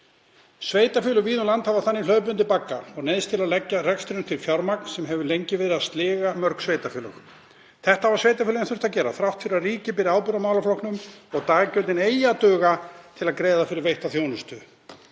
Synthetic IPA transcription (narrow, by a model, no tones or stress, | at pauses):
sveːjt̪afʏːlʏviːðʏnlant̪havaθanːɪl̥œːp̬ʏnt̪ɪlpaːkːaɔɣnɛðst̪ʰɪlaðlɛcːarɛkst̪ɾɪʏmt̪ʰɪlfjawɾmak̚n̥sɛmɦɛvʏlejɲcɪvɪðɾast̪lɪːɣamœɾksveːjt̪afʏːlʏx | θɛht̪avaɾ̥sveːjt̪afʏlɛnθʏɾ̥t̪acɛːɾa̰θɾawht̪fɪɾɪɾariːcɪpɪɾɪaːwpʏɾamaːwlaflohknʏmɔɣt̪aːɣcœlt̪ɪneːjat̪œːɣat̪ʰɪlaðkɾeːjðafɪɾɪɾvejht̪aθjoːwnʏst̪ʏ